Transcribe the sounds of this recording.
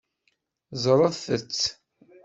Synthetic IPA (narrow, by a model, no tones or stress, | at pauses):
zˤɾˤəðθət͡sː